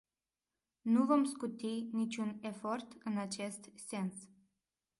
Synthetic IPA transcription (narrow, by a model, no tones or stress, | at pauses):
nuvomskut̪init͡ʃunefort̪ɨnat͡ʃest̪sʲens